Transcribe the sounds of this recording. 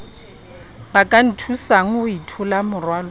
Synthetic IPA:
bakʼan̩tʰusaŋ̩ʊitʰʊlamʊrwaːlɔ

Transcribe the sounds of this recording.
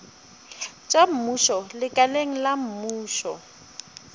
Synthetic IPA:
t͡ʃʼam̩muʃɔlɪkʼaleŋ̩lam̩muːʃɔ̰

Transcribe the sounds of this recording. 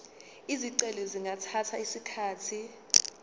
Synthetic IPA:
iziǀɛlɛziŋɡʱatʰatʰaisikʰaːtʰi

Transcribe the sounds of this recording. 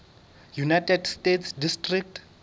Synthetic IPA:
junajtʰʼɛdstetʰsdistʼrik̚t

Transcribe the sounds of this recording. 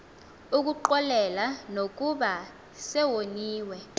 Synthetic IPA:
uk̬uǃɔlɛlanok̬ʼuɓa | sɛwoniːwɛ

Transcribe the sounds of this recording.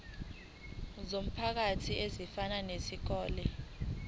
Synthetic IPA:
zom̩pʰak̬atʰiezifananesik̬ɔːlɛ

